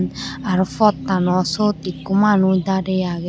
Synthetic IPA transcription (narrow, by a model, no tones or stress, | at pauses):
naɾufɔt̪ːanɔsot̪ikːumanuid̪adɛaɡ